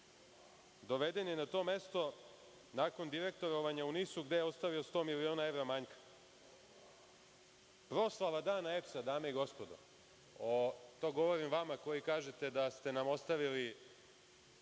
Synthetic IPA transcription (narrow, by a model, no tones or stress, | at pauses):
d̪o̞ʋe̞d̪e̞njenat̪o̞ːme̞st̪o̞ | nako̞nd̪iɾe̞k̚t̪o̞ɾoʋaɲaunisuɡd̪ejeo̞st̪aʋiost̪oːmilio̞ːnae̞ʋɾamaɲkḁ | pɾo̞slˠaʋad̪aːnae̞psad̪aːme̞iɡo̞spo̞d̪o̰ | ot̪o̞ɡo̞ʋo̞ɾimʋamako̞jikaːʒet̪e̞d̪ast̪e̞namo̞st̪aʋili